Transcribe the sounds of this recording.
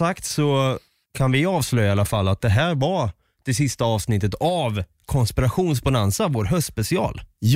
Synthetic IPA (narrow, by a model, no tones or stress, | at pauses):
akt̪sɔ | kʰanvɪɑːvslœjːaalːafalːat̪̚d̪ɛɦæːɾva | d̪̥ɛsɪst̪aɑːvsnɪt̪ːət̪av | kʰɔnspɪɾaɧuːns̬banansavoːɾɦœst̪ːspɛsɪɑ̰ːl